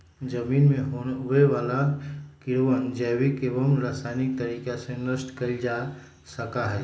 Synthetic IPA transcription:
d͡ʒəmiːnmeɦoɦueʋalakɪɾʋənd͡ʒɛwikeːʋəmɾaːsajnik̚t̪əɾiːkasẽnəsʈkəid͡ʒa | səkaɦɛː

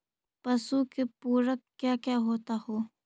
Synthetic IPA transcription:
pɐsukepuːɾəkkːjaːkjaːɦoːt̪ahoː

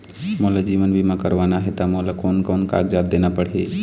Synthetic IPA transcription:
molad͡ʒiːʋənbʱimãkəɾʋaːnaɦɛt̪amolakoːnkɔːnka̰ːɡd͡ʒaːd̪̚d̪eːnapəɽ̤e

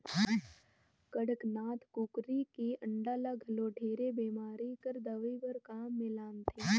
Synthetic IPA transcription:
kəɽəknaːt̪ʰkukɾikiʔə̃ɳɖaːlaɡʱɐloːʈʰeːɾebeːmaːɾikəɾd̪əʋibəɾkaːmːɪlaːnt̪ʰe

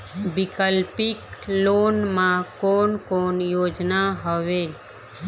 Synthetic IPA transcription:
bɪkəlpɪkloːnmãkoːnkoːnjoːd͡ʒnaɦoʋeːl

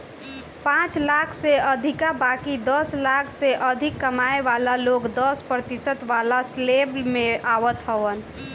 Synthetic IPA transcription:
pãt͡ʃlakʰseəd̪ʱikabakid̪əslakʰseʔəd̪ʱikːəmaeʋalalokd̪əspɾət̪isət̪ʋalasleblmeʔaʋət̪ɦəʋən

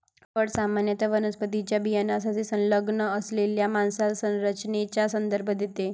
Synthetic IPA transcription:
ʋəɽsamanjət̪əʋənəspət̪it͡ɕjabijanasasesə̃nləɡɳəəsleljamansalsə̃nɾət͡ɕnet͡ɕasənd̪əɾbʱəd̪et̪e

